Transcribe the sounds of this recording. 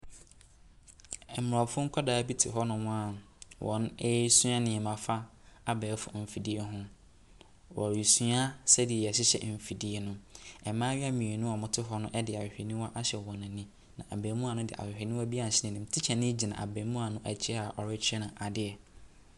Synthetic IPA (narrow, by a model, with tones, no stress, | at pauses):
ɛ˨mʊ˨ɾɔ˨fʊ̃˦ŋ̩˦kʰɔ˦daː˨˦bi˦tʰɪ˨ɦɔ˦nʊ̃˨mʊ̃˦a˨ | wʔɔ̰̃˨nɛ˦su˦a˦nɪ̃˨ɛ˨mã˨fa˦ | a˦bɛː˨˦fʊ̰˨m̩˨fi˨di˦e˦ɦʊ̃˦ | wɔ˨i˨su˦a˦sɛ˦dɪ˨ɛ˨jɛ˨ɕɪ˦ɕɛ̰˦˨m̩˨fi˨di˦e˨nʊ̃˦ɛ˨mãː˦ɥɪ˦a˦mĩ˨e˨nʊ̃˦ɔ˨mʊ̃˨tʰɪ˦ɦɔ˦nʊ̃˦ʔɛ˦dɪ˨a˨wɪ˨hᶣe˨nĩ˦wɔ˦ʔa˦ɕɛ˨ɔ̃˨nɪ̃˨nːĩ˦ | nã˨ʔa˨bẽ˨mũ˦a˨nʊ̃˦dɪ̰˨ʔa̰˨hᶣɪ˨hᶣɛ˨nĩ˦ɔ˦bi˦a˦˨ɕɪ˦nɪ̃˨nɪ̃˨m̩˨˦tʰɪ˦t͡ɕʰɛ˨nɪ̃˦d͡ʑi˨nã̰˨ʔa̰˨bẽ˨˦mũ˦a˨nʊ̃˦ʔæ̰˨t͡ɕʰɪ˦a˨ʔɔ˨ɾɪ˦t͡ɕʰɪ˦ɛ˦nã˨ʔa˨dɪ˦ɛ˨